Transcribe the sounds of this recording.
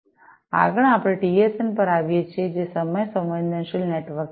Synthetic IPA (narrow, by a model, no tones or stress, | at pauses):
a̰ɡəɳ̃apɽ̃eʈiesenpəɾaʋjet͡ʃʰjed͡ʒesəməjsə̃mbənd̪ʱənʃilneʈʋəɾk